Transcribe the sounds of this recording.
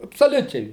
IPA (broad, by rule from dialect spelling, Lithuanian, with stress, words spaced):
ɐpsoːˈlʲʊt͡ʃʲɛɪ